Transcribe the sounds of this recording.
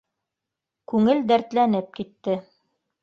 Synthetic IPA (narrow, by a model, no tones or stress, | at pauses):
kʉŋɘld̪æɾt̪lænɘp̚kit̪ːɘ